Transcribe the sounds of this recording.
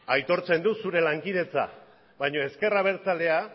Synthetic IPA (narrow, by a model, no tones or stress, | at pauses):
ajt̪o̞ɾt͡se̞nd̪usuɾe̞laŋkið̞e̞t͡sa̰ | βajɲo̞e̞ske̞raβ̞e̞ɾt͡sale̞a